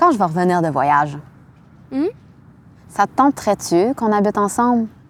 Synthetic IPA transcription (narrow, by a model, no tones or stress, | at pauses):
kɑ̃ʒəvəʁəvəniːʁd̪əvwa̰jaʒ̩ | sat̪ɑ̃t̪χɛt̪økɔ̃nabit̪ɑ̃sɑ̃bl